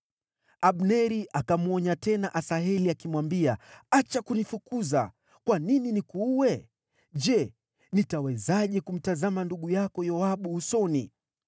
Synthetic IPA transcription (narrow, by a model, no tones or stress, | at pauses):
ʔaɓnɛɾiʔakamuɔɲatɛnaʔasaɦɛliakimwambiaat͡ʃakunifukuza̰ | kwanininikuwɛ | ʄɛ | nitawɛzaʄɛkum̩tazamanduɠujakɔjɔaɓuusɔni